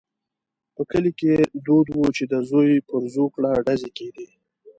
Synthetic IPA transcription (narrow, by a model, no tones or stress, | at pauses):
pəkəliked̪od̪wut͡ʃed̪əzojpəɾzokɽaɖazeked̪i